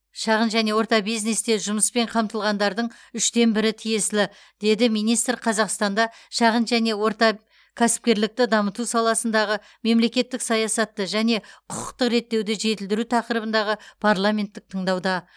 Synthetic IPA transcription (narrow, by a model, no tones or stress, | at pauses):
ʃɑʁənʒæne̞wo̞ɾt̪ɑbijzne̞st̪e̞ʒʊməspe̞ɴqʰɑmt̪əlˠʁɑnd̪ɑɾd̪əɴ | ʏʃt̪e̞nbɪɾɪt̪ʰije̞sɪlɪ | d̪̥e̞d̪ɪmijnijst̪rqʰɑzɑqst̪ɑnd̪ɑʃɑʁənʒæne̞wo̞ɾt̪ɑ | kʲʰæsɪ̥p̚kʲe̞ɾlɪk̚t̪ɪd̪ɑmət̪usɑlˠɑsənd̪ɑʁə | me̞mle̞kʲe̞t̪ːɪksɑjɑsɑt̪ːəʒæne̞qʰʊqə̥qt̪əqɾe̞t̪ːe̞wd̪ɪʒe̞t̪ɪld̪ɪɾut̪ʰɑqəɾəbənd̪ɑʁəpʰaɾlˠamʲe̞nt̪ːɪk̚t̪ʰəɴd̪ɑwd̪ɑ